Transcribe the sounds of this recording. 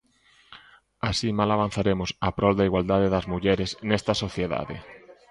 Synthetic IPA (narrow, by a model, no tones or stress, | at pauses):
asimalaβ̞an̟θaɾemʊsapɾɔld̪aiɣwald̪aðeðɐzmuʎɛɾesnɛst̪ɐsoθjeða̰ðḛ